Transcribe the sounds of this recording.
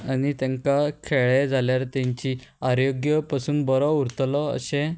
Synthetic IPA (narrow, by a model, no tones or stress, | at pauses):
añit̪ãŋkakʰeɭed͡zʱaljaɾt̪ãɲt͡ɕi | aɾjoɡjəpasuːnbɔɾɔuɾt̪lɔə̰ɕẽ